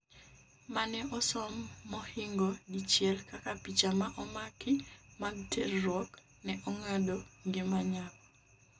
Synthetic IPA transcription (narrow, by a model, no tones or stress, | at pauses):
manɛʔɔsɔmːɔhɪŋɡɔdit͡ʃjɛlkakapit͡ʃamaʔɔmakɪmaɡ̚tʰerːwɔk | nɛʔɔŋadoŋɡɪmaɲak